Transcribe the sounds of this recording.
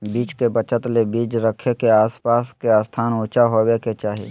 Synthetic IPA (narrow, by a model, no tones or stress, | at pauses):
biːt͡ʃkebət͡ʃət̪lebiːt͡ʃɾəkʰekeaːspaːskeaːst̪ʰaːnʊ̃ːt͡ʃaɦoweket͡ʃaːɦḭ